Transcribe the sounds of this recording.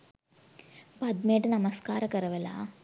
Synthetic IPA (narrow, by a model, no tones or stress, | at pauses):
pɐd̪meːʈɐnɐmɐskaːɾɐkɐɾɐʋela̰